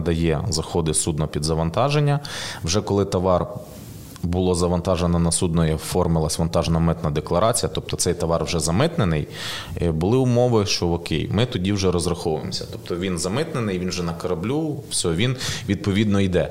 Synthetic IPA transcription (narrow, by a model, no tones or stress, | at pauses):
d̪ɐjɛzɐxɔd̪ɪsud̪̚nɔpʲid̪zɐʋɐnt̪ɑʒenʲːɐwʒɛkɔlˠɪt̪ɐʋɑr | bʊlˠɔzɐʋɐnt̪ɑʒenɔnɐsud̪nɔjɛfɔrmɪlˠɐsʲʋɐnt̪ɑʒnɐmɪt̪nɐd̪eklˠɐɾʔɑt͡sʲijɐt̪ɔp̚t̪ɔt̪sɛjt̪ɐʋɑrwʒɛzɐmɪt̪nenɪj | bʊlˠɪʊmɔʋɪʃt͡ʃɔɔkʲḛjmɪt̪ɔdʲiwʒɛɾɔzɾɐxɔʋʊḛmsʲɐ̥t̪ɔ̥pt̪ɔʋʲinzɐmɪt̪nenɪjʋʲinwʒɛnɐkɐɾɐblʲuwsʲɔɔʋʲinʋʲid̪̚pɔʋʲid̪nɔid̪ɛ